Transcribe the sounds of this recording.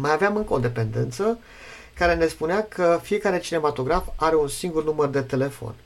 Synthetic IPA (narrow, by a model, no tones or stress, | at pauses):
majaveamɨŋkəod̪e̞pe̞nd̪e̞̰nt̪sə | kaɾe̞ne̞spuneakʰəfije̞kaɾe̞t͡ʃine̞mat̪o̞ɡɾafaɾe̞unsiŋɡurnumərd̪e̞t̪e̞le̞fo̞̰n